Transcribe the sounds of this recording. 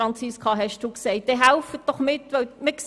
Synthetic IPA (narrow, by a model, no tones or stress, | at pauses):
ɑnt͡sɪskʰɑɦɛʃd̥uːksɛɪt̚d̥ɛɦæʊfət̚d̥ɔχmɪtːʋœwmɪks